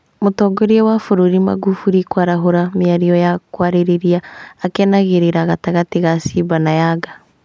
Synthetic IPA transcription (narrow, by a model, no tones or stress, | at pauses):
motɔːɡoɾiewafoɾoɾima̰ɡufuɾikwaɾaɦoɾamiaɾiɔjakwaɾeɾeɾiaːkɛnaɣeɾeɾaɣataɣatiɣasiβanajaɡa